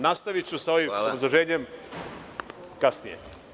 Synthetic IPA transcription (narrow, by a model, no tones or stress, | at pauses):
nast̪aʋit͡ʃusao̞ʋimobɾazlˠoʒe̞ːɲem | kasnijḛ